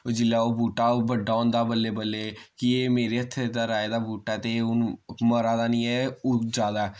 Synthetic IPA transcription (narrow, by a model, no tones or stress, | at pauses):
oːd͡ʒɪlːaːoːbuːʈaːbəɖːaːõːnd̪aːbəlːeːbəlːeːkɪeːmeːɾeːət̪ʰːed̪aːɾaːeːd̪aːbuːʈaɛːt̪eʊnməɾaːd̪aːnĩːɛoːd͡ʒaːd̪aɛ